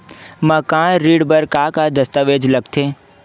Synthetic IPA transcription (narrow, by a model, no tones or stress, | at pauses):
məkãːɾiːɽbəɾkaːkad̪ɐst̪əʋeːd͡ʒlɐɡt̪ʰeː